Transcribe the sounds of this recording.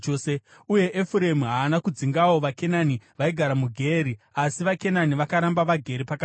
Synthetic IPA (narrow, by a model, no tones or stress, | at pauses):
se | uje̞ʔefuɾemiɦaːnakud͡ziŋɡawo̞ʋake̞naniʋaiɡʱaɾamuɡʱeɾiasiʋake̞naniʋakaɾambaʋaɡʱe̞ɾipaka